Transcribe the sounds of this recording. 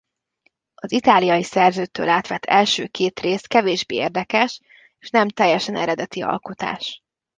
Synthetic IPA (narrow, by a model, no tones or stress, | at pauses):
ɒzit̪aːlijɒjisɛrzøːt̪ːø̰ːlaːt̪ʋɛt̪ʰːɛlʃøːkʰeːt̪reːst̪kɛveːʒbeːeːrd̪ɛkɛʃ | eːʃnɛmt̪ɛjːɛʃɛnɛɾɛd̪ɛt̪iɒ̰lkot̪a̰ːʃ